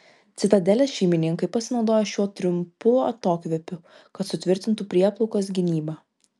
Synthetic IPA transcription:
t̪sʲɪt̪ɐd̪ʲɛlʲɛsʃʲɛɪmʲɪnʲɪŋkɐɪpɐsʲɪnɒʊd̪oːjoʃʲuɔt̪ʲɾʲʊmpʊɐ̰t̪oːkʲʋʲɛpʲʊ | kɐt̪sʊt̪ʲʋʲɪɾʲt̪ʲɪnt̪upʲɾʲiɛplˠɔʊkosɡʲɪnʲiːbɑː

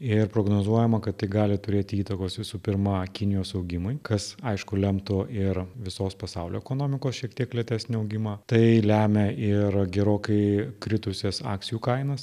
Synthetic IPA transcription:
ɪrpɾoːɡnoːzuɔjɛmɐkɐt̪t̪ɐɪɡɑːlʲɪt̪ʊɾʲeːt̪ʲɪiːt̪ɐkoːsʋʲɪsuːpʲɪɾmɐkʲɪnʲɪjoːsɐʊɡʲɪmʊɪkɐsɐɪʃkʊlʲɛmt̪ʊɪɾʋʲɪsoːspɐsɑʊlʲoːɛkoːnoːmʲɪkoːsʃʲiɛk̚t̪ʲiɛklʲiɛt̪ʲæːsʲnʲɪɐʊɡʲɪmɑːt̪ɐɪlʲæːmʲɛʔɪɾɡʲɛɾoːkɐɪkɾʲɪt̪ʊsʲɛsɑ̰ːkt͡sʲsʲɪjuːkɐɪnɐs

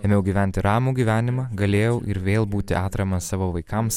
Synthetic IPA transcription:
ɛmʲɛʊɡʲiːʋʲæˑnʲt̪ʲɪɾɑːmuːɡʲiːʋʲæːnʲɪmɑɡɐlʲeːjɛʊʔɪɾʋʲeːlˠbuːt̪ʲɪ̰ʔɑːt̪ɾɐmɐssɑːʋoːʋɐɪkɐms

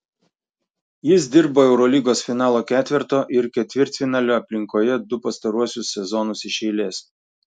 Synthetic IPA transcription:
jɪsd̪ʲɪɾboːɛʊɾɔlʲiːɡoːsfʲɪnɑːlˠoːkʲæːt̪ʲʋʲɪɾt̪oːʔɪɾkʲɛt̪ʲʋʲɪɾʲt̪ʲfʲɪnɑːlʲoːɐpʲlʲɪŋkoːjɛd̪ʊpɐst̪ɐɾuɔsʲʊsːʲɛzɔːnʊsɪʃʲɛɪlʲeːs

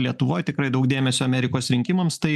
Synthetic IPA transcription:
lʲiɛt̪ʊʋoːjt̪ʲɪkɾɐɪd̪ɐʊkd̪ʲeːmʲɛsʲoɐmʲɛɾʲɪkoːsɾʲɪŋʲkʲɪmɐmstt̪ɐɪ

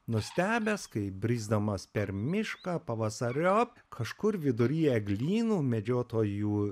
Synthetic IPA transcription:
nʊsʲt̪ʲæːbʲɛskɐɪbʲɾʲiːzd̪ɐmɐspʲɛɾmʲɪʃkɑːpɐʋɐsɐɾʲo | kʰɐʃkʊɾʋʲɪd̪ʊɾʲiːɛɡlʲiːnuːmʲɛd͡ʒʲoːt̪oːjuː

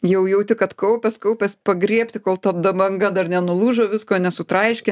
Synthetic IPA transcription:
jɛʊjɛʊt̪ʲɪkɐt̪kɐʊpʲɛskɐʊpʲɛspɐɡɾʲiɛpʲt̪ʲɪkoːlˠt̪ɐd̪ɐbɐŋɡɐd̪ɐrnʲɛnʊlˠuːʒoːʋʲɪskoːnʲɛsʊt̪ɾɐɪʃʲkʲɛ

